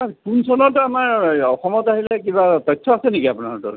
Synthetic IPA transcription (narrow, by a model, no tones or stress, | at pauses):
aɹpunsɔnɔtuamaɹɔxɔmɔtaɦilɛkibat̪ɔjtʰːɔasɛnikiapuna̰ɹtṵ